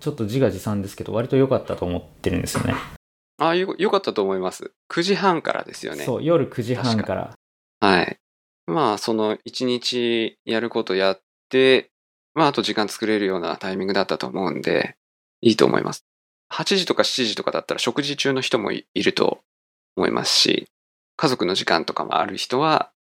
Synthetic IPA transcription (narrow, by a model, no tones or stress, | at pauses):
t͡ɕot̪ːo̞ʑiɡaʑisãnd̪e̞sɨ̥ke̞d̪o̞̰βaɾʲit̪o̞jo̞kat̪ːat̪oːmot̪ːe̞ɾɯ̟nd̪esɨjo̞̰ne | ajojo̞kat̪ːat̪o̞ːmo̞imasɨ̰ | kʰɯ̟ʑiɦãŋka̰ɾa̰d̪e̞̰sɨjo̞̰nḛso̞̰ːjo̞ɾɯ̟kɯ̟ʑihãŋkaɾa̰ | haḭ | maso̞no̞it͡ɕiɲit͡ɕijaɾɯ̟ko̞t̪o̞jat̪ːe̞ | maat̪o̞ʑikãnt͡sɨ̥kɯ̟ɾe̞ɾɯ̟jo̞ːna̰t̪aimʲĩŋɡɯ̟d̪at̪ːat̪o̞ːmo̞ɯ̟̃nd̪e̞̰ | iːt̪o̞̰ːmʔo̰ḭmʔa̰sɨ̥ | hat͡ɕiʑit̪o̞kaɕi̥t͡ɕiʑit̪o̞kad̪at̪ːaɾaɕo̞kɯ̟ʑit͡ɕɨːno̞çi̥t̪o̞mo̞̰iiɾɯ̟t̪o̞̰ | mo̞ḭmʔa̰sɨ̥ɕḭ | kazo̞kɯ̟no̞ʑikã̰nt̪o̞kamo̞̰a̰ɾɯ̟çi̥t̪o̞βa